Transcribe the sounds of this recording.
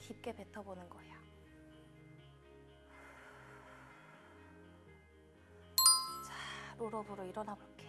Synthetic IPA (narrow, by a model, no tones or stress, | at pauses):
kip̚k͈e̞pe̞tʰʌbonɯnɡʌeja | t͡ɕaɾoɾʌbuɾoiɾʌnabok͈e